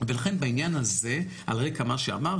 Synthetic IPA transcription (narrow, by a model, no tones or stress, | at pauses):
velaχe̞nbainjanaze̞ | a̰lʁekamaʃea̰maʁ